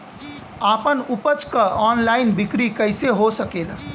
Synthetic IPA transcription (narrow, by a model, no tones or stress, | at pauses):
aːpənupət͡ʃkəɔnlaɪnbikɾikəɪseɦosəkel